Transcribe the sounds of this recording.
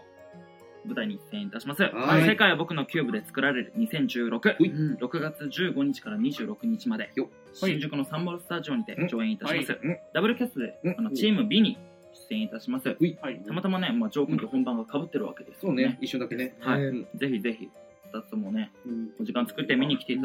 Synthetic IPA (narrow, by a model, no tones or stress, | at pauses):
o | bɯ̟t̪aiɲ̟içi̥sẽit̪aɕimasɨase̞kaiβabo̞kɯ̟no̞kʲɨːbɯ̟d̪e̞t͡sɨ̥kɯ̟ɾaɾe̞ɾɯ̟ɲ̟isẽ̞ɲ̟d͡ʑɨːɾʔo̞kɯ̟ɾo̞kɯ̟ɡat͡sɨʑɨːɡo̞ɲ̟it͡ɕi̥kaɾaɲ̟iʑɨːɾo̞kɯ̟ɲ̟it͡ɕimad̪e̞ | ɕĩɲd͡ʑɨkɯ̟no̞sãmboɾosɨ̥t̪aʑio̞ɲ̟id̪e̞̰d͡ʑo̞ːẽɰ̃it̪aɕimasɨd̪abɯ̟ɾɯ̟kʲasɨd̪e̞ano̞t͡ɕiːmɯ̟bʲiɲ̟i | ɕsɨẽ̞it̪aɕimasɨt̪amat̪amane̞mad͡ʑo̞ːkɯ̃nt̪ohõ̞mbãŋɡakabɯ̟t̪ːe̞ɾɯ̟βa̰ke̞d̪e̞sɨ̥oeihaize̞çʲize̞çʲi | at̪at̪omo̞ne̞od͡ʑikãnt͡sɨ̥kɯ̟t̪ːe̞mʲiɲ̟ikʲit̪e̞it̪